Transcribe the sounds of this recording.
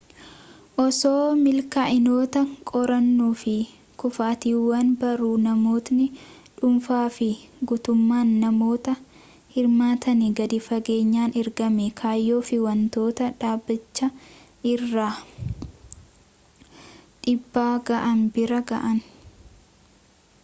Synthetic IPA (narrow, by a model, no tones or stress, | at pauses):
ʔɔsoːmɪlkaːʔɪnoːt̪ɐkʼɔɾɐnːuːfɪ | kʊfaːt̪iːwːɐnbɐɾuːnɐmo̞ːt̪nɪᶑʊmfaːfɪɡuːt̪ʊmːaːnːɐmo̞ːt̪ɐ | hɪɾmaːt̪ɐniɡɐd̪ɪfɐɡe̞ːɲːaːnɪɾɡɐmɛkʰaːjːo̞ːfɪwɐnt̪o̞ːt̪ɐᶑaːbːɪt͡ʃːɐ | ɪrːaː | ᶑɪbːaːɡɐʔɐnbɪɾɐɡɐ̰ʔɐn